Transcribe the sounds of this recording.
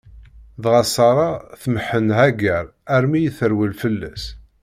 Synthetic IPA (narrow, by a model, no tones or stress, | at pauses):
ðʁɑsɑɾˤɑθməħːənhæɡəɾæɾmijiθəɾwilfəlːæs